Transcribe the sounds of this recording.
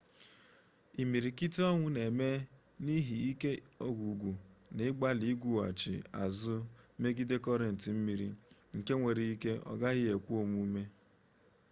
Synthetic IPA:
i˨mi˨ɾi˨ki˦tɔ˦ŋʷʊ˦ne˨me˦ | ni˦ɦi˨i˦ke˦o˦ɡu˨ɡʷu˨nɪ˦ɡ͡ba˦li˦ɡʷu˦a̰˨t͡ʃɪ̰˨a̰˨zʊ˦me˦ɡi˦de˦kɔ˦ɾe˨n̩˨tɪ˨m̩˦mi˨ɾḭ˨ŋ̩˨ke˦ŋʷe˨ɾi˨i˦ke˦ɔ̰˨ɡa˦ɣɪ˦e˨kʷu˦o˨mu˦me˦

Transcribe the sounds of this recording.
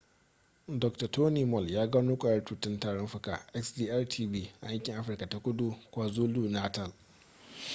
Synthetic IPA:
dɔ˨k̚ta˨toː˦niː˨mɔ˦˨ljaː˦ɡa˦nuː˦kʷʼaː˨jɐ˦rtuː˨tɪ˦ntaː˨ɽɔ˦mɸʊ˦ka̰ː˨ʔɛ˦ksdiː˦ʔa˦rtʰiː˦biː˦ʔa̰˨ja˦ŋkʲɪ˨ŋʔa˦ɸɪ˨rka˨ta˨kʷʼʊ˦du˦kʷaː˨zuː˦luː˦naː˦tɐ˨l

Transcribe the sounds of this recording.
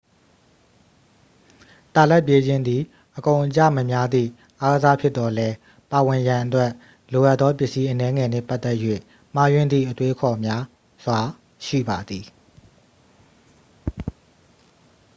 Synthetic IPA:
t̪a˨lɛ˦˨p̬je˦d͡ʑɪ̃˦nd̪i˨ | ʔəkõ˨ʊ̃ʔət͡ɕä̰˦˨mə˨mja˦d̪ðḭ˦˨ | ʔa˦ɡəza˦pʰjɪ˦t̪t̪ːɔ˨lɛ˦ | pa˨wɪ̃˨jã˨ʔətwɛ˦ʔ | lo˨ʔa˦ʔt̪ːɔ˦pjɪ˦ʔsi˦ʔənɛ˦ŋɛ˨nɛ̰˦˨pa˦ʔt̪ɛ˦ʔjwḛ˦˨ | m̥a˦jwɪ̃˦˨nd̪ðḭ˦˨ʔətwe˦əkʰɔ˨mja˦ | z̥wa˨ | ʃḭ˦˨ba˨d̪i˨

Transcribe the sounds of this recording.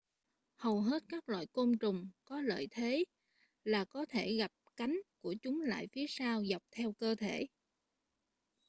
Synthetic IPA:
hə˨˩wɦe˦˥t̚kaː˦˥k̚lwa̰ː˧˨jko˧mt͡ɕʊ˨˩ŋ͡mkɔ˨˦lə̰ː˧˨jt̪ʰe˨˦ | laː˨˩kɔ˨˦t̪ʰe˧˩ɣa˨˩p̚ka˨˦jŋ̟ku˧˩ət͡ɕʊ˨˦ŋ͡mla̰ː˧˨jfi˨˦əsaː˧wza˨˩wk͡p̚t̪ʰɛ˧wkəː˧t̪ʰe˧˩˨

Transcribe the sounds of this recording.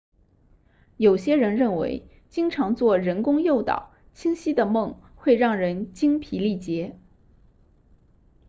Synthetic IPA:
jo˨˩ʊɕjɛ˥ɻə˧˥nɻə˥˩nwḛ˧˥ɪ | t͡ɕi˥ŋʈ͡ʂʰɑ˧˥ŋt͡swɔ˥˩ɻə˧˥nkʊ˥ŋjo˥˩ʊt̪ɑ̰˨˩˦ʊ | t͡ɕʰi˥ŋɕi˥d̪ə˨mɤ˥˧ŋxwe˥˧ɪɻɑ˥˩ŋɻə˧˥nt͡ɕi˥ŋpʰi˧˥li˥˩t͡ɕjɛ˧˥

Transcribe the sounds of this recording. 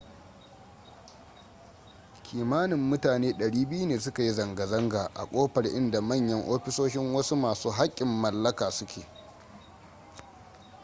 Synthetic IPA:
kʲʰiː˨maː˦nɪ˨mːʊ˦taː˨neː˦ɗɐ˨ɽiː˦bɪ˦ju˦neː˨s̬ʊ˦ka˨ji˦zɐ˨ŋɡɐ˨zɐ˦ŋɡaː˨ʔa̰˨kʷʼoː˦ɸɐ˨rʔɪ˦nda˨mɐ˦˨ɲjɐ˦ŋʔoː˦ɸɪ˦soː˦ʃɪ˦ŋwɐ˦su˦maː˨suː˦ɦa˦kʲʼːɪ˨mːɐ˨lːɐ˦kaː˨sʊ˦kʲʰeː˨

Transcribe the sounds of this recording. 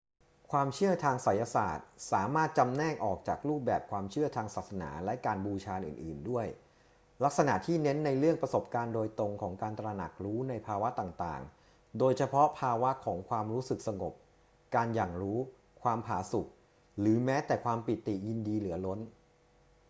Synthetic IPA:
kʰwaː˧mt͡ɕʰɯ˥˩ɐt̪ʰaː˧ŋsa˨˩˦jːa˧sa̰ː˨˩t̪̚saː˩˦maː˥˩t̪̚t͡ɕa˧mnɛː˥˩ŋʔɔː˨˩k̚t͡ɕaː˨˩k̚ɾuː˥˩p̚bɛː˨˩p̚kʰwaː˧mt͡ɕʰɯ˥˩ɐt̪ʰaː˧ŋsaː˨˩t̪̚sa˧na̰ː˩˦lɛ˦˥kaː˧nbuː˧t͡ɕʰaː˧nʔɯ̰ː˨˩nʔɯ̰ː˨˩ndu˥˩əj | la˦˥k̚sa˧na˨˩t̪ʰiː˥˩ne˦˥nːa˧jɾɯ˥˩əŋpɾa˧so˨˩p̚kaː˧ndoː˧jt̪o˧ŋkʰɔː˩˦ŋkaː˧nt̪ɾa˧na̰˨˩k̚ɾuː˦˥na˧jpʰaː˧wa˦˥t̪aː˨˩ŋt̪a̰ː˨˩ŋ | doː˧jt͡ɕʰa˧pʰɔ˦˥pʰaː˧wa˦˥kʰɔː˩˦ŋkʰwaː˧mɾuː˦˥sɯ˨˩k̚sa˧ŋo˨˩p̚ | kaː˧njaː˨˩ŋɾuː˦˥ | kʰwaː˧mpʰaː˩˦su˨˩k̚ | lɯː˩˦mɛː˦˥t̪ɛː˨˩kʰwaː˧mpi˨˩t̪ːi˨˩ji˧ndiː˧lɯ˩˦ɐlo˦˥n

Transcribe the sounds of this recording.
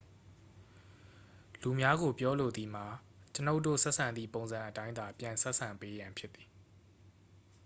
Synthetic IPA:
lu˨mja˦ɡo˨pjɔ˦lo˨d̪i˨m̥a˨ | t͡ɕəno˦ʊʔtːo̰˦˨sɛ˦ʔsʰã˨nd̪ðḭ˦˨põ˨ʊ̃nzã˨ʔətã˦ɪ̃nd̪a˨pjã˨nsɛ˦ʔsʰã˨mpe˦jã˨mpʰjɪ˦t̪ːi̥˨

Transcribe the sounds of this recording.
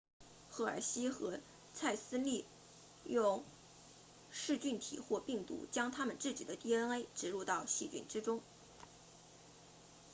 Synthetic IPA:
xɤ˥˩ə̰˞˨˩ɕi˥xɤ˧˥ | t͡sʰa˥˩ɪsɹ̩˥li˥˩ | jʊ˥˧ŋ | ʂɻ̩˥˧t͡ɕy˥˩nt̪ʰḭ˨˩xwɔ˥˧pi˥˩ŋt̪ṵ˧˥t͡ɕjɑ˥ŋt̪ʰa˥mə˨nt͡sɹ̩˥˩t͡ɕḭ˨˩d̪ə˦t̪i˥˩ə˥ne˥ɪʈ͡ʂɻ̩˧˩ɻu˥˧t̪ɑ˥˧ʊɕi˥˧t͡ɕy̰˥˩nʈ͡ʂɻ̩˥ʈ͡ʂʊ˥ŋ

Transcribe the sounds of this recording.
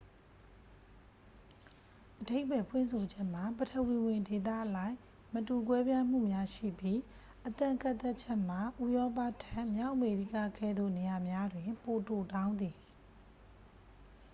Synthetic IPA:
ʔəde˦ɪʔpɛ˨pʰwɪ̰̃˦˨nsʰo˨d͡ʑɛ˦ʔm̥a˨bə˨tʰə˨wi˨wɪ̃˨nde˨t̪̬a̰˦˨ʔəlã˦˨ɪ̃ | mətu˨kwɛ˦bjã˦m̥ṵ˦˨mja˦ʃḭ˦˨pji˦ | ʔət̪ã˨ŋkã˦˨t̪ɛ˦t͡ɕʰɛ˦ʔm̥a˨ʔu˦jɔ˦pa˦˨tʰã˦˨ʔmja˦ʊʔəme˨ɾi˦ka˦˨kʰɛ̰˦˨d̪ðo̰˦˨ne˨ja˨mja˦dwɪ̃˨po˨to˨tã˦ʊ̃nd̪i˨

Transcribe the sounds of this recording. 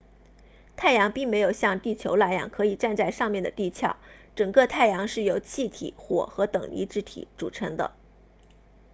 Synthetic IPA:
t̪ʰa˥˩ɪjɑ˧˥ŋpi˥˩ŋme˧˥ɪjo˨˩ʊɕjɑ˥˧ŋt̪i˥˩t͡ɕʰjo˧˥ʊla˥˩ɪjɑ̰˧˩ŋkʰɤ˧˥i˨˩ʈ͡ʂa˥˧nt͡sa˥˧ɪʂɑ˥˧ŋmjɛ˥˩nd̪ə˩t̪i˥˧t͡ɕʰjɑ̰˥˩ʊʈ͡ʂɤ˨˩ŋkɤ˥˧t̪ʰa˥˩ɪjɑ˧˥ŋʂɻ̩˥˩jo˧˥ʊt͡ɕʰi˥˩t̪ʰḭ˨˩˦xwɔ̰˨˩xɤ˧˥t̪ɤ̰˨˩ŋlḭ˧˥ʈ͡ʂɻ̩˧˥t̪ʰḭ˧˥ʈ͡ʂṵ˨˩ʈ͡ʂʰɤ˧˥ŋd̪ə̰˧

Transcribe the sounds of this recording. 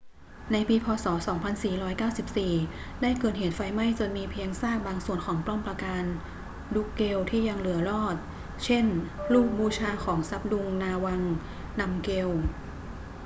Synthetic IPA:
na˧jpiː˧pʰɔː˧sɔː˩˦sɔː˩˦ŋpʰa˧nsiː˨˩ɾɔː˦˥jkaː˥˩wsi˨˩p̚siː˨˩daː˥˩jkɤː˨˩t̪̚heː˨˩˦t̪̚fa˧jma˥˩jt͡ɕo˧nmiː˧pʰi˧əŋsaː˥˩k̚baː˧ŋsu˨˩ənkʰɔː˩˦ŋplɔ˥˩mpɾa˧kaː˧n | du˦˥kːe˧wt̪ʰiː˥˩ja˧ŋlɯ˨˩˦ɐɾɔː˥˩t̪̚ | t͡ɕʰe˥˩nluː˥˩k̚buː˧t͡ɕʰaː˧kʰɔː˩˦ŋsa˦˥p̚du˧ŋnaː˧wa˧ŋ | na˧mke˧w

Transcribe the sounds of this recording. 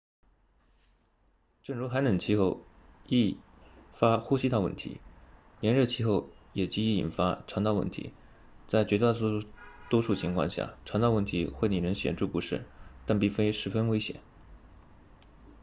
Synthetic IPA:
ʈ͡ʂə˥˩ŋɻu˧˥xa˧˥ɪnə˨˩nt͡ɕʰi˥˧xo˥˧ʊ | i˥˩ | fa˥xu˥ɕi˥t̪ʰɑ˥˧ʊwə̰˥˩nt̪ʰḭ˧˥ | njɛ˧˥nɻɤ˥˧t͡ɕʰi˥xo˥˩ʊjɛ˨˩t͡ɕi˥i˥˩ḭ˨˩nfa˥ʈ͡ʂʰɑ˧˥ŋt̪ɑ˥˧ʊwə̰˥˩nt̪ʰḭ˧˥ | t͡sa˥˩ɪt͡ɕɥɛ˧˥t̪a˥˩˥t̪wɔ˥ʂu˥˩t͡ɕʰi˧˥ŋkʰwɑ̰˥˧ŋɕja̰˥˩ʈ͡ʂʰɑ˧˥ŋt̪ɑ˥˧ʊwə˥˩nt̪ʰi˧˥xwe˥˩ɪni˨˩ɻə˧˥nɕjɛ̰˨˩nʈ͡ʂu˥˩pu˧˥ʂɻ̩̰˥˩t̪a˥˧npi˥˩fe˥ɪʂɻ̩˧˥fə˥nwe˥ɪɕjɛ̰˨˩˦n

